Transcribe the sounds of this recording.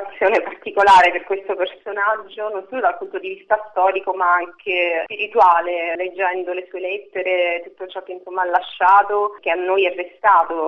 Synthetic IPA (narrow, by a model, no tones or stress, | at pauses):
t̪sːjoːnepart̪ikolaːɾeperkwest̪opersonad͡ʒːononsoːlod̪alpunt̪od̪ivist̪ast̪ɔːɾikomaaŋkʰespiɾit̪waːleled͡ʒːɛnd̪olesuːelet̪ːeɾet̪ut̪ːot͡ʃɔkːeinsomːaalːaʃːaːt̪ok̟eanːojɛbːest̪aːt̪o